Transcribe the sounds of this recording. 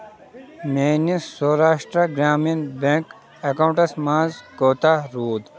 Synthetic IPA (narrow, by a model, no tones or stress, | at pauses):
meːnisoːɾaːʂʈɾɐɡɾaːmɐnbek | ɐkaw̃ɳʈɐsmãːzkoːt̪aɾuːd̪